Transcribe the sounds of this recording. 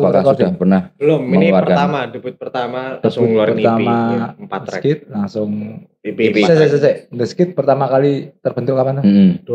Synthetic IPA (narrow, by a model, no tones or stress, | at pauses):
aɾkakudahpərnahbəlʊmməŋuarərkat̪namadubʊt̪̚pərt̪amad̥əʊpərt̪amaasəkɪt̪̚laŋsʊŋ | sɛsɛsɛsɛnd̪əsə̥kɪt̪̚pərt̪amakalit̪ərb̥ənt̪ʊkapand̪m̩d